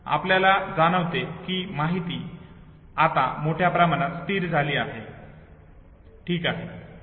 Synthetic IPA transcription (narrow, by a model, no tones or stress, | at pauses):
a̰pljalad͡zaɽ̃əʋt̪ekimaɦit̪iː | at̪a̰moʈʰjapɾamaɽ̃at̪st̪iːɾd͡zʱaliːaɦe | ʈʰiːkaɦe